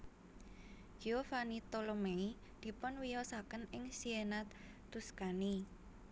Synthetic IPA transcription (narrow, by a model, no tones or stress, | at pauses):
ɡ̥iofanit̪olomei | d̪̥i̤pʊnwijɔsakənɪŋsienat̪ː | uskani